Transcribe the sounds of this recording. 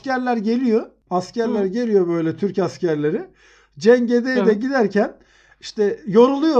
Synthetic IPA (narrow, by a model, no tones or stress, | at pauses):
cæɾlʲæɾɟe̞lʲijo | ascʰæɾlʲæɾɟe̞lʲijo̞bø̞jlʲɛt̪ʰyɾcascæɾlʲe̞ɾɪ | d͡ʒɛɲɟe̞d̪ejd̪ɛɟid̪æɾcʰæn | iʃt̪ʰɛjo̞ɾulˠujo